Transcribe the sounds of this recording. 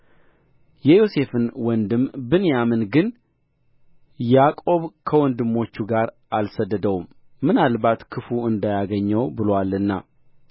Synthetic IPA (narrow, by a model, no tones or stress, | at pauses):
jɛjo̞se̞fɨnwɔnd̪ɨmbɨnjamɨnɡɨn | jakʼo̞βkʰəwɔnd̪ɨmːo̞t͡ʃːuɡaɾ | ʔalsəd̪ːəd̪əwumː | ɨnalbat̪kʰɨfuɨnd̪ajaɡəɲːəwbɨlwalɨnːa